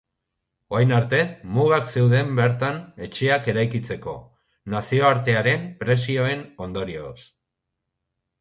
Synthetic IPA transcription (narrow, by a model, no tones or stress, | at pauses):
o̞ajnaɾt̪e̞muɣakse̞wðe̞mbe̞ɾt̪ane̞t͡ʃe̞ake̞ɾajkit͡se̞ko̞̰ | nasio̞aɾt̪e̞aɾe̞mpɾe̞sio̞e̞no̞nd̪o̞ɾio̞̰s